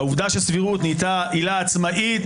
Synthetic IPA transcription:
uvd̪aʃesviʁut̪nit̪aʔilaːt͡smaʔit

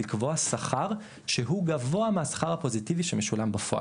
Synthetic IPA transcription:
ikvoasaχaʁ | ʃeɦuɡavo̞ameɦasḁχaʁhapo̞zitiviʃemeʃulambafoa̰

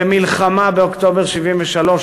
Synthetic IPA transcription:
emilχamabeokt̪o̞beʁʃivimveʃalo̞ʃ

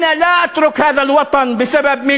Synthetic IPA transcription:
nalaːʔat̪ɾʊkhaːðalwɑt̪ˤɑnbɪsababmɪ

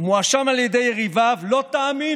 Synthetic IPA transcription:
moaʃamaljede̞jeʁivavlo̞t̪aːmi

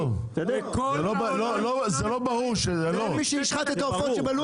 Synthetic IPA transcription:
v | zelobalolozelobaʁuʁʃezelomiʃɛiʃχat̪et̪aofotʃebalu

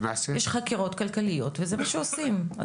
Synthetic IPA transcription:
maːsejeʃχakiʁo̞tkalkalijo̞tvezemaʃeosima̰

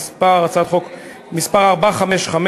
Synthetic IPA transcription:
spaʁat͡sad̪χok | mispaʁaʁbaχameʃχam

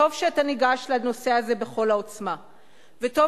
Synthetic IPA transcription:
o̞vʃeataniɡaʃlano̞se̞aze̞be̞χo̞laot͡sma | veto̞

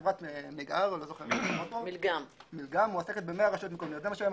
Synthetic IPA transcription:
vʁat̪emeɡaʁlozoχeʁnot̪omilɡam | milɡamuaseket̪̚bemeaʁaʃot̪mikomiot̪zemaʃam

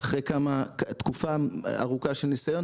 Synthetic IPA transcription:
aχʁejkamat̪kufaa̰ʁukaʃelnisajo̞n

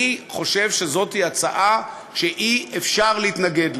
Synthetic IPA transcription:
χo̞ʃe̞vʃe̞zo̞tiat͡saʔa | ʃeʔiefʃaʁlehit̪naɡe̞d

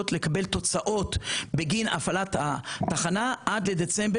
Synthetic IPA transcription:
ot̪lekabe̞lt̪o̞t͡saʔo̞t̪beɡina̰falat̪hat̪aχanaʔad̪led̪et͡sembe

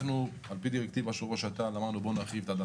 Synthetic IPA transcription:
nu | alpid̪iʁek̚t̪ivaʃoʁaʃat̪anlamad̪nubonaχivt̪ad̪a

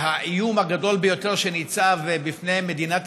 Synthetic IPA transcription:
haʔijumhaɡad̪o̞lbejo̞t̪e̞ʁʃe̞nit͡savebifne̞jme̞d̪inat̪

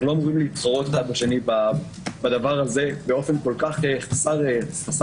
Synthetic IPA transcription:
ulomʁimliːtχaʁot̪χad̪̚baʃe̞niba | bad̪avaʁaze̞beo̞fe̞nko̞lkaχeχasaʁeχas

